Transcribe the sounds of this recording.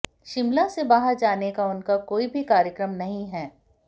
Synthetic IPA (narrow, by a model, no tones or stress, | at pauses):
ʃɪmlasebaːɦəɾd͡ʒaːnekaʊnkakoːibʱikaːɾjəkɾəmnɐɦĩɦɛː